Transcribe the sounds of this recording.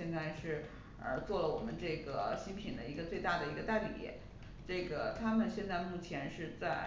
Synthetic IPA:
jɛ˥˧nt͡sa˥˧ɪʂɻ̩˥˩ | ə̰˧˥t͡swɔ˥˩lə˩wɔ˨˩mə˦nʈ͡ʂɤ˥˩ɡə˩ɕi˥ŋpʰi˨˩nd̪ə˦i˧˥ɡə˧t͡swe˥˧ɪt̪a˥˩d̪ə˩i˧˥ɡə˧t̪a˥˩ɪlḭ˨˩jɛ̰˥˩˦ | ʈ͡ʂɤ˥˩ɡə˩t̪ʰa˥mə˨nɕjɛ˥˧nt͡sa˥˧ɪmu˥˩t͡ɕʰjɛ˧˥nʂɻ̩˥˧t͡sa˥˧ɪ

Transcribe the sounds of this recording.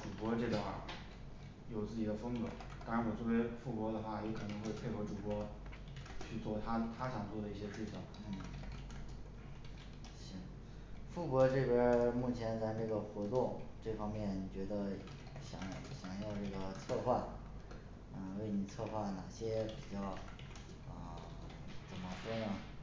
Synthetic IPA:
ʈ͡ʂu˨˩kwɔ˧˥ʈ͡ʂe˥˩d̪ə˧˩xwa̰˥˩ | jo˨˩ʊt͡sɹ̩˥˩t͡ɕi˨˩d̪ə˦fɤ˥ŋkɤ˧˥ | t̪ɑ˥ŋɻa˧˥nwɔ˨˩t͡swɔ˥˩we˧˥ɪfu˥˩kwɔ˧˥d̪ə˧xwa˥˩jɛ˧˥kʰɤ˨˩nɤ˧˥ŋxwe˥˧ɪpʰe˥˩ɪxɤ˧˥ʈ͡ʂu˨˩kwɔ˧˥ | t͡ɕʰy˥˧t͡swɔ˥˩t̪ʰa˥t̪ʰa˥ʂɑ˨˩ŋt͡swɔ˥˩d̪ə˩i˥˩ɕjɛ˥ʂɻ̩˥˩t͡ɕʰi˩ŋ | n̩˥˩ | ɕi˥˩ | fu˥˩kwɔ˧˥ʈ͡ʂɤ˥˩pjɛ˥mu˥˩t͡ɕʰjɛ˧˥nt͡sa˥˧ɪʈ͡ʂɤ˥˩ɡə˩xwɔ˧˥t̪wɔ˥˩ʈ͡ʂɤ˥˩fɑ˥ŋmjɛ˥˩n˨˩t͡ɕɥɛ˧˥d̪ə˧ | ɕjɑ˨˩˦ŋɕjɑ˨˩ŋjɑ˥˧ʊʈ͡ʂɤ˥˩ɡə˩t͡sʰɤ˥˧xwa˥˩n | nə˥˧we˥˩ɪni˨˩t͡sʰɤ˥˧xwa˥˩nna˨˩ɕjɛ˥pi˨˩t͡ɕjɑ˥˩ʊ | ə˧˩ | t͡sə˨˩nmə˦ʂwɔ˥nə˨˩

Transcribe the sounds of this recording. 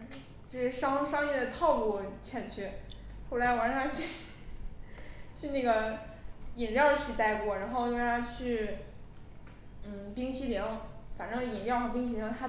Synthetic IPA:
t͡ɕjo˥˧ʂɻ̩˥˩ʂɑ˥ŋʂɑ˥ŋjɛ˥˩d̪ə˩t̪ʰɑ˥˩ʊku˥˩t͡ɕʰjɛ˥˩nt͡ɕʰɛ˥ | xo˥˩la˧˥ɪwɑ˧˥ŋʂa˥t͡ɕʰy˥˧˩ | t͡ɕʰy˥˧na˥˩ɡə˩ | i˨˩nljɑ˥˩ʊt͡ɕʰy˥˧t̪a˥˧ɪkwɔ˥˩ɻa˧˥nxo˥˧ʊjʊ˥˧˥a˥t͡ɕʰy˥˩ | n̩˥˩pi˥ŋt͡ɕʰi˥˩lji˧˥ŋfa˨˩nʈ͡ʂɤ˥ŋ˧˩i˨˩nljɑ˥˩ʊxɑ˧˥˩pi˥ŋɕʰi˥˩i˧˥ŋt̪ʰa˥

